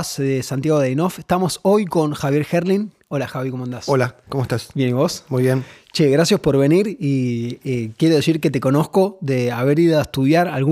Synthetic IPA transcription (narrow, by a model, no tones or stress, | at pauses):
sðesant̪jaɣo̞ðejnofeht̪amo̞so̞jko̞nxaβjeɾxeɾlin | olaxaβikomoand̪asolakomoest̪asbjeniβo̞smujβjent͡ʃeɣɾasjaspo̞ɾβe̞niɾiekjeɾoðesiɾket̪e̞ko̞no̞sko̞ðeaβeɾiðoaeht̪uðjaɾalɣu